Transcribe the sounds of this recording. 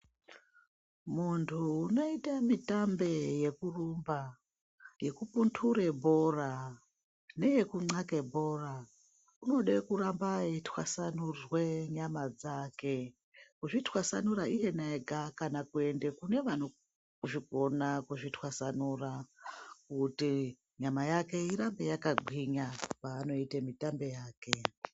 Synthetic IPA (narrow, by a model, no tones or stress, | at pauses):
muntʰuːno̞itamitambe̞je̞kurumba | je̞kupuntʰuɾebʱo̞ra | ne̞je̞kuŋ͡ǀakebʱo̞ːra | uno̞ɗekurambaitʰwasanurweɲamad͡zake̞ | kuʐitwasanuɾaije̞naeɡʱakanakue̞nde̞kune̞ʋano | kuʐiɡʱo̞nakuʐitʰwasanurakuti | ɲamajake̞iɾambe̞jakaɡʱwiɲapaːno̞itemitambe̞jaːke